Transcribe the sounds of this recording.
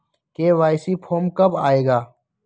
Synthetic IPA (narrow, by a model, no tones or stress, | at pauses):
keʋaːɪsipʰoːmkɐbaːeːɡaː